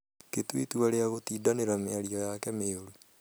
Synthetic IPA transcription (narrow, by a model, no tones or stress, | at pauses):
ketwḭtuaɾeaɣotiːdaneɾameaɾiɔjakɛmeoɾu